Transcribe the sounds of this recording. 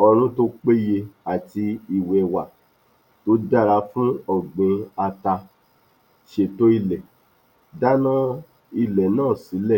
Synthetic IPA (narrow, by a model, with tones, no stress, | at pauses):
ɔ˧ɾ̃ũ˦to˦k͡pe˦je˧a˨ti˧i˨wɛ˨wa˨ | to˨˦da˦˨ɾa˧˦fũ˦ɔ˨ɡ͡bẽ˨˧a˧ta˧ | ʃe˧˨to˦i˧˨lɛ˨ | da˦nã˦ | i˧lɛ˨nãː˦˨si˨˦lɛ˦˨